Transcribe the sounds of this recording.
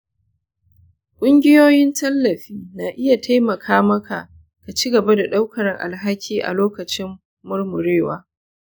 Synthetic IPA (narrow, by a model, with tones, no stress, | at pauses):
kʷʼʊ˦ŋɡʲɪ˦joː˦jɪ˦ntɐ˦lːɐ˨ɸiː˦naː˨ʔɪ˦ja˨tʰa˦jmɐ˨kʰaː˦mɐ˦kʰa˨ | ka˨t͡ʃiː˦ɡɐ˨ba˦da˨ɗa˦wkɐ˨ɾɪ˨ŋʔa̰˨lɦa˦kʲʰiː˦ʔa̰˨loː˦kɐ˨t͡ʃɪ˦mː | ʊ˦ɽmʊ˨ɽeː˦˨waː˦